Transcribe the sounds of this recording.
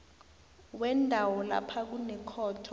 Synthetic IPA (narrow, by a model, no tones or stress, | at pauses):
wɛndʱawɔla̰pʰak̬unɛkʰɔːtʰɔ